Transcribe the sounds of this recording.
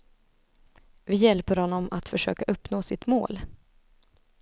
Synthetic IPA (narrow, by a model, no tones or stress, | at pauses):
vɪjɛlpəɾhɔnːɔmat̪fœʂø̰ːkaʔɵpːnoːsɪt̪mo̰ːl